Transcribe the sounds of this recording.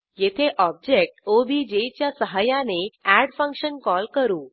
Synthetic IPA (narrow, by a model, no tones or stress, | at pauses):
jet̪ʰeʔɔb̚d͡ʑek̚ʈobid͡ʑejt͡ɕjasəɦajãneæɽfə̃ŋkɕənkɔlkəɾũː